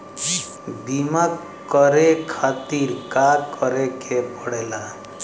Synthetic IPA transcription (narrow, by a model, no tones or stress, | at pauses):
bima | kːəɾekʰat̪iɾkakəɾekepɔɽela